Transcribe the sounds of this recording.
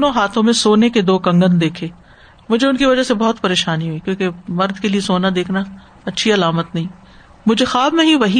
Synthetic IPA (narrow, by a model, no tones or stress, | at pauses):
nõɦaːt̪ʰõmẽsoːneked̪oːkɐ̃ŋɡənd̪eːkʰeː | mʊd͡ʒʱeʊnkiʋɐd͡ʒəsebɐɦʊt̪pɐɾeːʃaːniɦuikjõːkemɐɾd̪keliesoːnad̪eːkʰna | ɐtːʃʰiɐlaːmət̪nɐɦĩː | mʊd͡ʒʱexaːbmẽɦiʋɐɦi